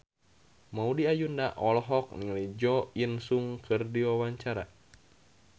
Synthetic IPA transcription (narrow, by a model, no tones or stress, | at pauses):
maudiajundaʔɔlɦɔk̚niŋlid͡ʒɔinsuŋkʰɨrdiwawaɲt͡ʃaɾa